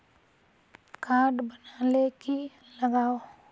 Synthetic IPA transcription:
kaːɖbənaːleki | ləɡaːo

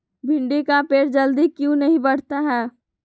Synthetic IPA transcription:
bʱɪɳɖikapeːɾd͡ʒəld̪ikjũnəɦĩbəɽ̤t̪aɦɛː

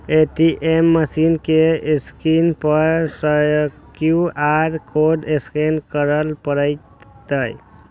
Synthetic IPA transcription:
eʈiʔemːəsinkeskinpəɾsəjkjuaɾkoɖeskinkəɾəlpəɾəj | t̪əj

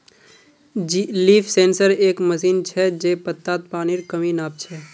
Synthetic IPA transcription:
d͡ʒiliːpʰsẽːnsəɾeːkməsiːnt͡ʃʰɛd͡ʒeːpət̪ːaːt̪̚paːniɾkəminaːp̚t͡ʃʰɛː

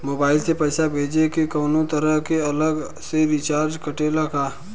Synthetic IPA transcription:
moːbaːɪlsepɛːsabʱeːd͡ʒekikɐːnõt̪əɾəɦkeɐləɡ | seɾɪt͡ʃaːɾd͡ʒkəʈeːlakaː

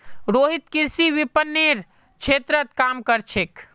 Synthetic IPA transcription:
ɾoɦit̪kiɾsiʋipənːeɾ | t͡ʃʰet̪ɾət̪kamkəɾt͡ʃʰek

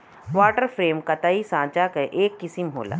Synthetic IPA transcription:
ʋaːʈəɾfʰɾeːmkɐt̪aːisãːt͡ʃakɐʔeːkːɪsɪmɦo̰ːla̰ː

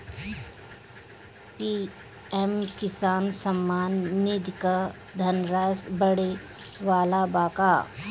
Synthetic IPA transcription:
pi | ɛmkɪsaːnsɐmːaːnːid̪ka | d̪ʱɐnɾaːsbəɽe | ʋaːlabaːkaː

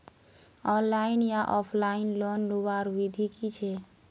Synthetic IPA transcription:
ɔnlainjaʔɔpʰlainlonluʋaɾʋid̪ʱikit͡ʃʰɛ

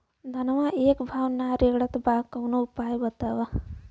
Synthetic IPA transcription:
d̪ʱɐnʋãʔeːkbʱaːwnaːɾeːɡɽɐt̪baːkɐwnoupaːjbɐt̪aːʋa

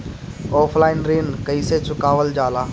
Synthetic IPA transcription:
ɔːpʰlaːɪnɾiːnkəiːset͡ʃʊkaːʋəld͡ʒaːlaː

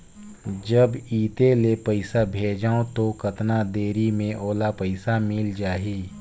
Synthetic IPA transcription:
d͡ʒəbiːt̪elepəɪsabʱeːd͡ʒaːot̪okət̪nad̪eːɾimẽʔoːlapəɪsamɪld͡ʒaːɦiː

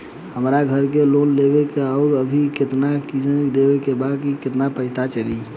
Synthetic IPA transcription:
həmɾaɡʱəɾkelonlebekeɔʊɾəbʱiket̪nakid͡ʒənd̪ebekebad̪kikɪt̪napəɦɪt̪at͡ʃəli

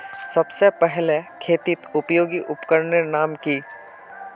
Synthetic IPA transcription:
sɐbsepɛɦlekʰeːt̪ɪt̪ʊpjoːɡiʔʊpkəɾnenaːmki

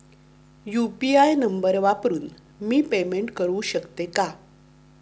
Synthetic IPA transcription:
jupiajnəmbəɾʋapɾuːn | miːpemeɳʈkəɾuːɕəkt̪eka

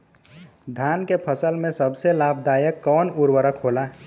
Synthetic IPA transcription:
d̪ʱankepʰəsəlmesəbselab̚d̪ajəkːɔwnuɾwəɾəkɦola

